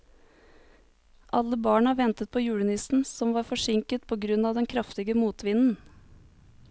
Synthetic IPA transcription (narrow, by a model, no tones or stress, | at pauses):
ʔɑlːəbɑːɳɑʋɛnt̪ət̪̚pʰoːjʉːɽənɪsn̩sɔmʋɑːɾfɔʂɪŋkət̪̚pʰoːɡɾʉnɑːʋd̪ɛnkʰɾɑft̪ɪɡəmuːt̪ʋɪnn̩